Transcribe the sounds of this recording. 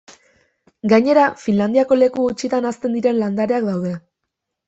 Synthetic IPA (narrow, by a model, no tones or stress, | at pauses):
ɡajɲe̞ɾafinland̪iako̞le̞kuɣut͡ʃit̪anast̪e̞nd̪iɾe̞nland̪aɾeakd̪awðe̞